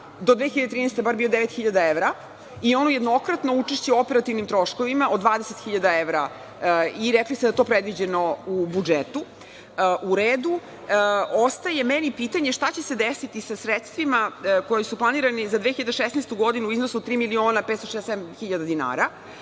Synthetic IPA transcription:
d̪od̪ʋexiʎad̪et̪ɾiːnest̪ebaɾbiod̪eʋet̪xiʎad̪aeʋɾa | io̞noje̞d̪no̞kɾat̪no̞ut͡ʂeʃt͡ɕeopeɾat̪iʋnimt̪ɾo̞ʃko̞ʋimaʔod̪ʋaːd̪eset̪xiʎad̪aeʋɾa | iɾekliseajet̪o̞ːpɾed̪ʋid͡ʑenoubud͡ʒet̪u | ʔuɾeːd̪u | ost̪aje̞menipit̪aɲeʃt̪at͡ɕe̞se̞d̪esit̪isasɾet̪st̪ʋimako̞jesuplˠaniːɾanizad̪ʋeːxiʎad̪eʃesnest̪uɡo̞d̪inuuiznosuot̪ɾiːmilio̞ːnapet̪st̪oʃesemxiʎad̪ad̪ina̰ːɾa

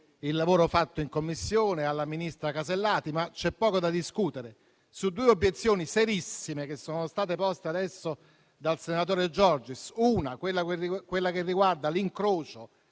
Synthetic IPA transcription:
ilːavoːɾofat̪ːoiŋkomːisːjoːnealːaminist̪ɾakaselːaːt̪imat͡ʃːɛpːɔːkod̪ad̪iskuːt̪eɾe | sud̪ːuːeobjet̪sːjoːniseɾisːimek̟esːoːnost̪aːt̪epɔst̪ead̪ɛsːo | d̪alsenat̪̬oːɾed͡ʒɔrd͡ʒisuːnakwelːakekwelːakerːiɡward̪aliŋkɾoːt͡ʃo

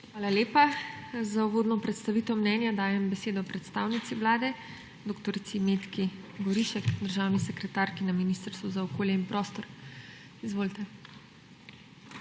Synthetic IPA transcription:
xʋaːlaleːpazauʋoːd̪nɔpɾɛt̪st̪aʋiːt̪ɛwmnɛnjad̪aːjɛmbɛseːd̪ɔpɾɛt̪st̪aːwnit̪siʋlaːd̪ɛ | d̪okt̪ɔɾt̪simeːt̪kiɡɔɾiʃɛkd̪əɾʒaːwnisɛkɾɛt̪aːɾkinaminist̪ɾst̪ʋuzaɔkoːljɛinpɾɔːst̪ɔɾ | izʋoːlt̪ɛ

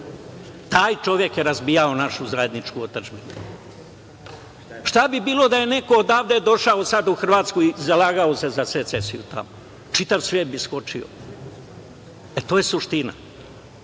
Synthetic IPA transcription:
t̪aːjt͡ʃo̞ʋje̞kjeɾazbiːjao̞naʃuzaje̞d̪nit͡ʃkuot̪at͡ʃbinu | ʃt̪abibiːlˠo̞d̪aje̞ne̞koːd̪aːʋd̪ed̪o̞ʃaosad̪uxr̩ʋaːt̪skuizalaːɡaose̞zaset̪sesijut̪a̰mo | t͡ʃit̪aʋsʋjeːt̪̚bisko̞t͡ʃio̰ | et̪oːje̞suʃt̪ina̰

